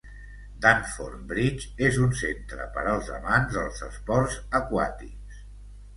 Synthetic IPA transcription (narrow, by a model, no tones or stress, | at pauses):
d̪aɱforbɾit͡ʃezunsent̪ɾə̰pə̰ɾəlˠzə̰manzðəlˠzə̰spɔrzəkwa̰t̪iks